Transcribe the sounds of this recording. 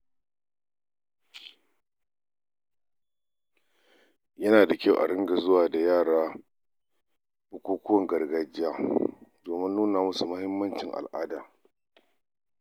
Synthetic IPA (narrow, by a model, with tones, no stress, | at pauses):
jɐ˦naː˨da˨kʲa˦wʔa̰˨ɽɪ˦ŋɡa˨zʊ˦waː˨da˨jaː˦˨ɽaː˦ | bʊ˦kʷoː˦kʷʊ˦wɐ˨ŋɡɐ˨rɡa˨d͡ʒɪ˦jaː˦doː˨mɪ˦nːuː˦naː˨mʊ˦su˨mʊ˦hɪ˦mːɐ˦nt͡ʃɪ˨ŋʔa̰˨lʔaː˦daː˨